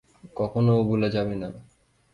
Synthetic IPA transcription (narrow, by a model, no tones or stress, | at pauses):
kɔkʰonobuled͡ʑabena